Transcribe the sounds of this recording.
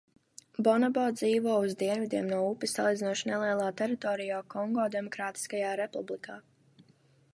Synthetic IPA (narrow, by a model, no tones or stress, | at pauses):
bɔnabɔd̪ziːvɔɔuzd̪iɛnvid̪iɛmnuɔupːisːalˠiːd̪ʲinuɔʃnɛlˠiɛlˠaːt̪ɛɾit̪ɔːɾijaːkɔŋɡɔːd̪ɛmɔkɾaːt̪i̥skajaːɾepublikʰaː